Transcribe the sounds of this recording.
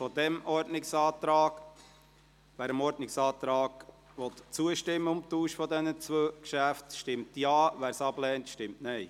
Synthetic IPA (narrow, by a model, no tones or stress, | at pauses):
fɔd̪ɛmʔɔɾdnɪksɑːt̪ɾɑːɡ̥ | ʋæːɾəmɔɾdnɪksɑːt̪ɾɑːɡ̥ | ʋɔt̪t͡suəʃtɪmːəʊmt̪uːʃfɔd̪ɛnət͡sʋøːkʃæftʃtɪmtjɑːʋæːɾsɑblɛːntʃtɪmtnɛɪ